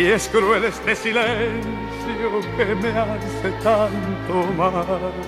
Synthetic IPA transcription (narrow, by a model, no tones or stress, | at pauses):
ieskɾuelest̪esilen | θjokemeanθet̪ant̪omal